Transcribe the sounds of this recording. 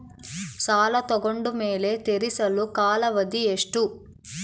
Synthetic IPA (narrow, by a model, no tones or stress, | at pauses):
saːlɐt̪ɔɡoɳɖume̞ːle̞t̪eɾisɐlukaːlɐʋɐd̪ieʂʈu